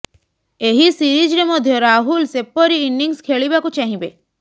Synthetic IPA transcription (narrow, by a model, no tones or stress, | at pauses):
eɦisiɾid͡ʒɾemɔd̪ʱjɔɾaɦulsepːɔɾiːnːiŋskʰeɭibakut͡ʃaɦĩbe